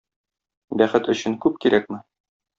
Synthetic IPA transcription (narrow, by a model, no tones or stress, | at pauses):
bæχɘt̪ɵ̆ɕɘŋkʉp̚kiɾʔæk̚mɘ